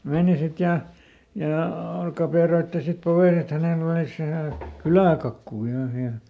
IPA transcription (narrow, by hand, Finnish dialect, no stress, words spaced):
meːni sit jɑ jɑˑ kɑpeˑroitːi sit poʋeːn et hænel oliˑs ʋæhæˑ kylæˑkɑkːuː ʋæhæ hiæl